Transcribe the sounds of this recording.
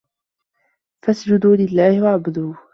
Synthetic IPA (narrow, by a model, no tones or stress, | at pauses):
fasd͡ʒʊd̪uːlɪlːaːhɪwaʕbʊd̪uː